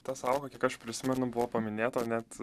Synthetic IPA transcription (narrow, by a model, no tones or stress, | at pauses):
t̪ɑsɑʊkɐkʲiɛkɐʃpʲɾʲɪsʲɪmʲɛnʊbʊʋoːpɐmʲɪnʲeːt̪oːnʲɛt̪